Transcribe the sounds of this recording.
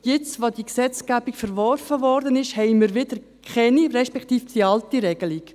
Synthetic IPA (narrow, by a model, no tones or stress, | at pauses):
jɪt͡sʋod̥iksɛt͡sɡ̥æb̥ikfɛɾvɔɾfəvɔɾdənɪʃhɛɪmiːɾʋɪdəɾ | kχɛniɾɛʃpɛktiːfd̥iɑltiɾɛɡ̥əlik